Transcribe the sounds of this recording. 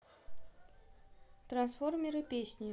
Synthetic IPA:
t̪ɾɐnsformʲiɾɨpʲesʲnʲɪj

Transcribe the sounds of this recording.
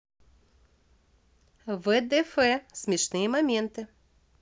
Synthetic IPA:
vɛd̪ɛfɛsʲmʲɛʂnɨjəmamʲent̪ɨ

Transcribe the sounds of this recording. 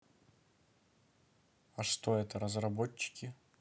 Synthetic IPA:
ɐʂt̪o̞ɛt̪əɾəzrɐbot͡ɕːɪ̥kʲɪ

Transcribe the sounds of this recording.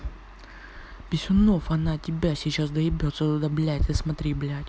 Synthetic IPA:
bʲɪsʲʊnofɐnatʲɪbʲasʲɪt͡ɕasd̪ɐɪbʲot̪səd̪ɐblʲæt̪ʲɨsmɐt̪ɾʲiblʲætʲ

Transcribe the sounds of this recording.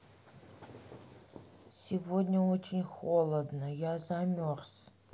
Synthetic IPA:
sʲivod̪ʲnʲɐot͡ʃʰɪnʲxolˠəd̪nəjazamʲors

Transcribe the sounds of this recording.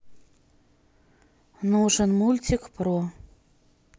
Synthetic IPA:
nuʐənmulʲt͡sʲikpɾɔ

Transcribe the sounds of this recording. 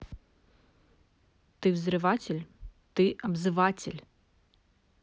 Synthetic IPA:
t̪ɨvzɾɨʋatʲɪlʲt̪ɪʔɐbzɨʋatʲɪ̰lʲ

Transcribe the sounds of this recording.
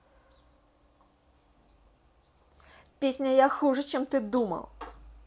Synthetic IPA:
pʲesʲnʲɐjaxuʐɐt͡ʃɛmt̪ɨd̪umɐ̰w

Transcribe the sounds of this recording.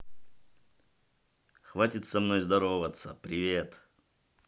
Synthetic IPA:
xvatʲɪt̪sɐmnojzd̪ɐɾovət̪sə̰pɾʲɪvʲet̪

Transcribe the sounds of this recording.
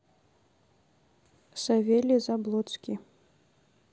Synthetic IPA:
savʲelʲizablˠɔt̪skʲi

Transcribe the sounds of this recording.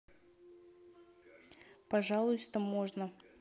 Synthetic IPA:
pɐʐɑlˠʊjst̪əmoʐnə

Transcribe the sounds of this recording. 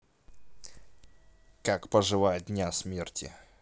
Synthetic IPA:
kakpəʐɨvajədʲnʲasmʲertʲɪ̰

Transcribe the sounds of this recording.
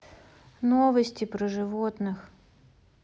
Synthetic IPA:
novəsʲtʲɪpɾəʐɨvot̪nɨx

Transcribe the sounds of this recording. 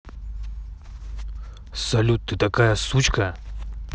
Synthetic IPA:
sɐlʲut̪ːɨt̪ɐkajɐsut͡ɕkɐ

